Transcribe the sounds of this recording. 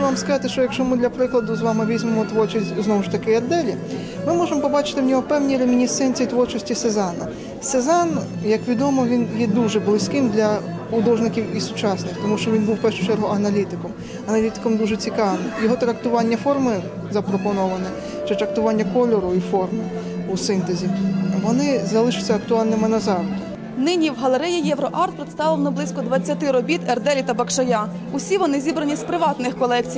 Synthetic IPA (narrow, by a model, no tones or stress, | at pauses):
ʋɑmskɐzɑt̪ɪʃt͡ʃɔjɐkʃt͡ʃɔmɪd̪lʲɐpɾɪklˠɐd̪ʊzʋɑmɪʋʲizʲmemɔt̪ʋɔrt͡ʃisʲtʲznɔʋʊʃt̪ɐkɪɐd̪ːɛlʲi | mɪmɔʒemɔpɔbɑt͡ʃɪ̥t̪ɪwnʲɔɦɔpɛwnʲijɾʲemʲinʲisɛnʲt͡sʲijit̪ʋɔrt͡ʃɔsʲtʲisezɑnɐ | sezɑn | jɐkʋʲid̪ɔmɔʋʲinjɛd̪uʒɛblˠɪsʲkɪmd̪lʲɐ | ʊd̪ɔʒnɪkʲiwisʊt͡ʃɑsnɪxt̪ɔmuʃt͡ʃɔʋʲinbuwpɛʃʊ̥t͡ʃɛɾɦʊʔɐnɐlʲit̪ɪkɔm | ɐnɐlʲit̪ɪ̥kɔmd̪uʒɛt͡sʲikɑʋnɪjɔɦɔt̪ɾɐkt̪ʊʋɑnʲːɐfɔrmɪ | zɐpɾɔpɔnɔʋɐnɛ | t͡ʃɛt̪ɾɐk̚t̪ʊʋɑnʲːɐkɔlʲɔɾʊifɔrmɪ | usɪnt̪ezʲiʋɔnɪzɐlˠɪʃʊsʲːɐɐk̚t̪ʊɑlʲnɪmɪnɐzɑwd̪ | nɪnʲiwɦɐlˠeɾɛjijɛʋɾɔʔɑrt̪̚pɾɪt̪st̪ɑʋɪwnɔblˠisʲkɔd̪ʋɐt͡sʲːɐt̪ɪɾɔbʲit̪ɛrd̪ɛlʲit̪ɐbɐkʃɐja | ʊsʲiʋɔnɪzʲibɾɐnʲispɾɪʋɑt̪nɪxkɔlˠɛk̚t͡sʲij